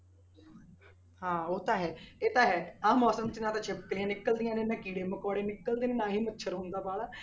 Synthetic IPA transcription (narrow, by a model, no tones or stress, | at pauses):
hãːoːt̪ãːɦɛːeːt̪ãːɦɛːãːmɔːsəmt͡ʃnãːt̪ãːt͡ʃʰepkliãːnɪkːəld̪ɪjãːnẽːnãːkiːɽeːməkɔːɽeːnɪkːəld̪eːneːnãːɦiːmətːʃʰəɾɦʊ̃nd̪aːbaːlaː